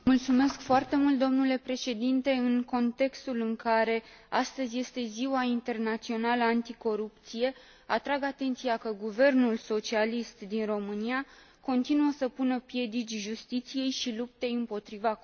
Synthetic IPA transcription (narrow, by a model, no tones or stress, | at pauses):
mult̪sume̞skfoart̪e̞mult̪̚d̪o̞mnule̞pɾe̞ʃe̞d̪int̪e̞ɨŋko̞nt̪e̞kst̪ulɨŋkaɾe̞ast̪əzʲje̞st̪e̞ziwaint̪e̞rnat̪sio̞naləant̪iko̞ɾupt̪sije̞ | at̪ɾaɡat̪e̞nt̪sijakəɡuve̞rnulso̞t͡ʃialist̪d̪inro̞mɨnia | ko̞nt̪inuəsəpunəpje̞d̪it͡ʃʲʒust̪it̪sije̞jʃilup̚t̪e̞jɨmpo̞t̪ɾiva